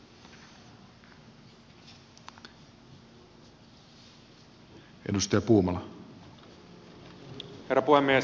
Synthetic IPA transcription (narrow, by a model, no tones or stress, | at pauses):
ʔedust̪ɑjɑpuːmɑlɑ | herːɑpuhemːie